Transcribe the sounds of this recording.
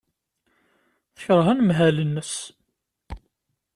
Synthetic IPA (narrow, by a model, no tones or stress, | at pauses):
θə̥çɾˤəɦænmɦælənːəs